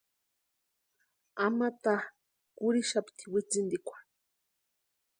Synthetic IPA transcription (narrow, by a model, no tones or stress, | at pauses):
amat̪a | kuɾiʃapt̪ʰiwit͡sind̪ikʷḁ